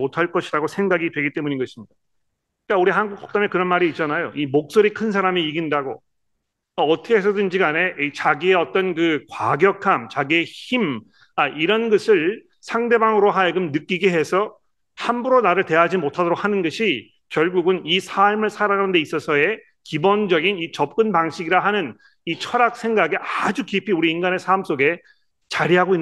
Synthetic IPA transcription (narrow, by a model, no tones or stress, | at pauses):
otʰaɭk͈ʌɕʰiɾaɡosʰe̞ŋɡaɡitwe̞ɡit͈e̞muɲiɡʌɕʰimɲida | k͈auɾiɦanɡuk̚s͈o̥k̚t͈amekɯɾʌnmaɾiːt̚t͡ɕ͈anajoʔimok̚s͈oɾikʰɯnsʰaɾamiiɡindaɡo | ʌʌtʰʌkʰees̬ʰʌdɯnd͡ʑiɡane̞t͡ɕaɡie̞ʌt͈ʌnkɯkwaɡjʌkʰamt͡ɕaɡie̞çim | aʔiɾʌnɡʌsʰɯɭ | sʰaŋde̞baŋɯɾoɦaekɯmnɯk͈iɡiɦe̞sʰʌ | hambuɾonaɾɯɭte̞ɦad͡ʑimotʰadoɾok̚hanɯnɡʌɕʰi | kjʌɭɡuɡɯnisʰaɭmɯɭsʰaɾanɯndeis͈ʌsʰʌe̞ | kibond͡ʑʌɡinit͡ɕʌp̚k͈ɯnpaŋɕʰiɡiɾaɦanɯn | it͡ɕʰʌɾak̚s͈ʰe̞ŋɡaɡeʔad͡ʑukipʰiuɾiːnɡane̞sʰams͈oɡe̞ | t͡ɕaɾiɦaɡoinː